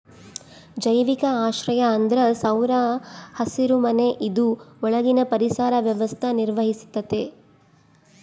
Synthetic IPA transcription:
d͡ʒɐjʋikɐaːʃɾɐjɐːnd̪ɾɐsɐwɾɐhɐsiɾumɐneʔid̪uɔɭɐɡinɐpɐɾisaːɾɐʋjɐʋɐst̪ʰɐniɾʋɐɦisi̥t̪ːɐt̪e

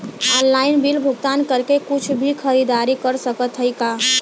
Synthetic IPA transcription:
ɔnlaɪnbilbʱuɡt̪ankəɾkekut͡ʃʰbʱikʰəɾid̪aɾikəɾsəkət̪ɦəjka

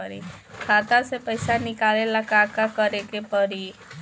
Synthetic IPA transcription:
əɾḭkʰat̪asepəjsanɪkalelakakakəɾekepəɾi

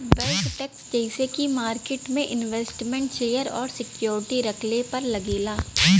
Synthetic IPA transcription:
ʋɛlʈʈɛːksd͡ʒɛɦɪsekimaːɾkeːʈmẽʔɪnʋeːsʈmɛ̃ɳʈʃeːjəɾɔːɾsɪkjoːɾɪʈiɾɐkʰlepɐɾlɐɡiːlaː

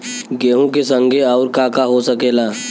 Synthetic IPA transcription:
ɡeːɦõkesə̃ŋɡʱeɔːɾkaːkaɦosəkeːlaː

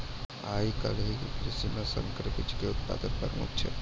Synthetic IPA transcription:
aːikɐlɦikikɾɪsimẽsə̰̃ŋkɾəpɪt͡ʃkeʊt̪̚pa̰ːd̪ənpɐɾmʊ̰t̪t͡ʃʰḛ

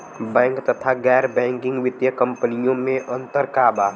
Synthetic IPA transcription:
bɛ̃ːŋkt̪ət̪ʰaɡɛːɾbɛ̃ːŋkɪ̃ŋɡʋɪd̪jəkə̃mpənijõmẽʔə̃nt̪əɾkaːba

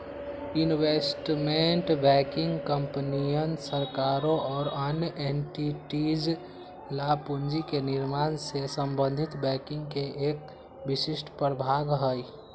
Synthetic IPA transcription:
inwesʈmeɳʈbɛkɪ̃ŋɡkəmpənijənsəɾkaɾõʔɔːɾənjəʔeɳʈiʈid͡ʒ | lapund͡ʒikenɪɾmaːnsesəmbə̃nd̪ʱit̪bɛkɪ̃ŋɡkeeːk̚ | bisɪsʈʰpəɾbʱaːɡɦəi

